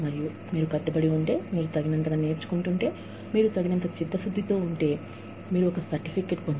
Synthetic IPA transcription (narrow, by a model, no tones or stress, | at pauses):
mɐɾiju | miːɾukɐɖːɐbɐɽiuɳʈe̞ːmiːɾut̪ɐɡinɐnt̪ɐnɐne̞ːɾt͡ʃu̥kuɳʈuɳʈe̞ː | miːɾut̪ɐɡinɐnt̪ɐt͡ʃid̪ːɐsud̪ːit̪o̞ːuɳʈe̞ː | miːɾuɔkɐsɐɾʈipʰikeːʈpond͡ʒ